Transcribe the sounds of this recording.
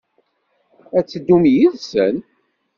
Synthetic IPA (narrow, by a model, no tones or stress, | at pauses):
æt͡sːəd̪ːumjiðsən